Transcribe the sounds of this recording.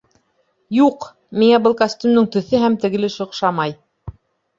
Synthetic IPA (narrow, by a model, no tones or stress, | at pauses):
juq | miŋæbɤlˠkɐsʲt̪ʲymnɘŋt̪ɵ̆θɘɦæmt̪ɘ̆ɡɘ̆lɘʃŏqʃɑmɑj